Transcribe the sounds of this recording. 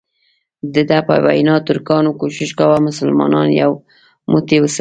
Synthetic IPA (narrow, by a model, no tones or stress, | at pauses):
d̪əd̪apa̰jwa̰jnɑt̪ʊɾkɑnokoʃɪʃkawamʊsəlmɑ̰nɑnjaw | mʊt̪ewəs